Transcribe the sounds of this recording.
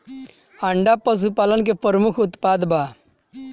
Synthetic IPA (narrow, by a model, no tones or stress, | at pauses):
aɳɖapəs̬upaːlənk̬epəɾəmʊkʰʊt̪paːd̪ba